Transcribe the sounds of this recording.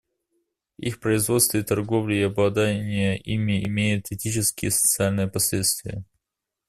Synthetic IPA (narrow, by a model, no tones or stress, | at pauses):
ḭxpɾəɪzvo̞t̪st̪vʲɪːt̪ɐrɡo̞vlʲɪɪɐblˠɐd̪anʲɪjəʔimʲɪʔɪmʲejʊt̪ɪtʲit͡ɕɪskʲɪjəsə̥t̪sɨalʲnɨjəpɐsʲlʲet̪st̪vʲɪ̰jə